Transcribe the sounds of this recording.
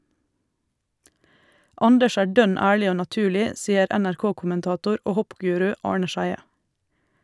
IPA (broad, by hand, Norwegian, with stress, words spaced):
ˈɑndəʃ ˈæː ˈɖœn ˈæːɭɪ ˈoː nɑˈtʉːlɪ ˈsiːəɾ ɛnæɾˈkoːkʊmənˌtɑːtʊɾ ˈoː ˈhɔpˌɡʉːɾʉ ˈɑːɳə ˈʃæɪə